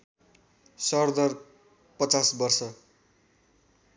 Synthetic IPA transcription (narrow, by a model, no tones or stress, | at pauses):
sʌrd̪ʌr | pʌt͡sasbʌrsʌ